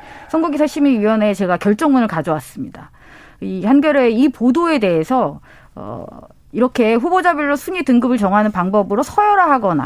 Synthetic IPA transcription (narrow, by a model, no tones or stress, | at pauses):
sʰʌnɡuɡisʰaɭɕ͈imiiwʌne̞t͡ɕe̞ɡakʲjʌɭt͡ɕ͈ʌŋmunɯɭkad͡ʑʌwas͈ɯmɲida̰ | ihanɡjʌɾe̞ipodoe̞de̞ɦesʰʌ | ʌ̰ | iɾʌkʰe̞ɸubod͡ʑabjʌɭːosʰuɲitɯŋɡɯbɯɭt͡ɕʌŋɦanɯnpaŋbʌbɯɾosʰʌjʌɾaɦaɡʌna̰